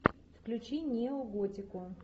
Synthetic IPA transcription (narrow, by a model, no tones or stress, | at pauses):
fklʲʉt͡ɕinʲeoɡotʲɪkʊ